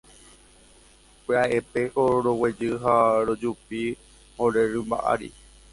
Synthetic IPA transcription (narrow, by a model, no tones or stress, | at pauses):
kʷeaʔepe̞ʔoɾowed͡ʒɨɦaɾod͡ʒupi | hoɾeɾɨmba̰ʔa̰ɾḭ